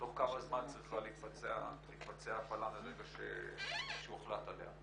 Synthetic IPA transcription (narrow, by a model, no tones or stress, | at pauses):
toχkamazmant͡sʁiχaleit̪fat͡sea̰leit̪fat͡seaːfalameʁeɡaʃḛʃeueχlat̪alḛha̰